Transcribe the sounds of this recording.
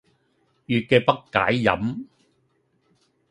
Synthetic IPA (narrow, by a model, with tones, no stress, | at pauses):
jyː˨t̚kɛː˧pɐ˥kːa̰ː˨˥jːɐ̰˨˥m